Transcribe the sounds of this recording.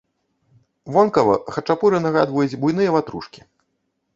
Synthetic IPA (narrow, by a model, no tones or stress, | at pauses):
vɔnkɐvɐ̰xɐt͡ʂapuɾɨnɐɣa̰d̪vɐjud͡zʲbujnɨjɐvat̪ɾṵʂkʲi̥